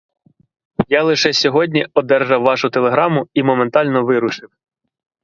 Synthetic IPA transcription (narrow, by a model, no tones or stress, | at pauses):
jɑlˠɪʃɛsʲɔɦɔdʲnʲiɔd̪ɛrʒɑwːɑʃʊt̪elˠe̞ɦɾɑmʊimɔment̪ɑlʲnɔʋɪɾʊʃɪw